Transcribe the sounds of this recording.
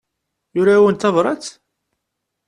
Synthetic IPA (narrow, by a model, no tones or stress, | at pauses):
jʊɾawənt̪ɑvɾˤɑt͡s